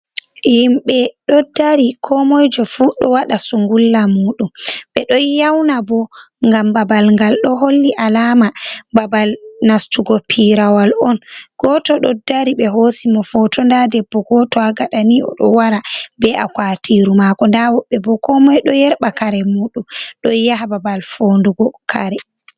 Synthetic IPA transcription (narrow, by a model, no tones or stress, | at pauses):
himɓɛɗɔdːaɾikʰɔmɔjd͡ʒɔfuɗɔ̰waɗasuŋɡulːamuːɗumɓɛɗɔjawnabɔ | ŋɡambabalŋɡalɗɔɦolːiʔalamababalnastuɡɔpʰiɾawalɔnɡ̥ɔtɔɗɔdaɾiɓɛɦosimɔfɔtʰɔndadɛbːɔɡɔtɔaɡaɗaniʔɔ̰ɗɔ̰waɾabɛʔakwatiɾumakɔndawɔɓɛbɔkʰɔmɔjɗɔjɛɾɓakaɾɛmuːɗumɗɔjaɦababalfonduɡɔkʰa̰ɾɛ